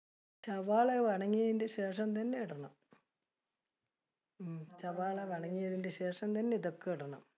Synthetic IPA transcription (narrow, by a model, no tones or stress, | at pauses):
t͡ɕɐʋaːɭeʋɐɳɐŋːijɐðindeɕe̞ːʂɐmt̪ɐnːeiɽɐɳɐm | t͡ɕɐʋaːɭeʋɐɳɐŋːijɐðindeɕe̞ːʂɐmt̪ɐnːeiðokːeiɽɐɳɐ̰m